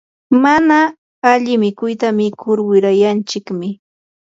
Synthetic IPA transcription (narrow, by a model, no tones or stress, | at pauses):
manaː | ʎɪmɪkʊjt̪amɪkʰʊɾwɪɾajant͡ʃɪkmɪ